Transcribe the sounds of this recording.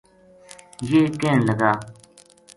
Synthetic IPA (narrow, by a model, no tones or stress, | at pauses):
jeːkẽːnləɡaː